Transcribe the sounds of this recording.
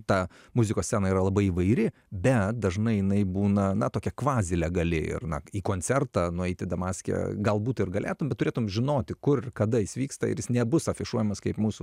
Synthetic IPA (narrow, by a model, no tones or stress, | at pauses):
t̪ɑ | mʊzʲɪkoːsʲsʲɛːnɐiːɾɐlˠɐbɐɪiːʋɐɪɾʲɪ | bʲɛt̪̚d̪ɐʒnɐɪjɪnɐɪbuːnɐnɐt̪oːkʲɛkʋɑːzʲɪlʲɛɡɐlʲɪ̰ɪ̰rnɐ̰iːkoːnʲt͡s̪ʲɛrt̪ɑːnʊɛɪt̪ʲɪd̪ɐmɑːsʲkʲɛ̰ɡɐlˠbuːt̪ɪrɡɐlʲeːt̪ʊmbʲɛt̪ːʊɾʲeːt̪ʊmmʒʲɪnoːt̪ʲɪkʊrkɐd̪ɐɪsʋʲiːkst̪ɐɪ̰ɾjɪsnʲɛbʊsɐfʲɪʃuɔjɛmɐskɐɪpmuːsʊ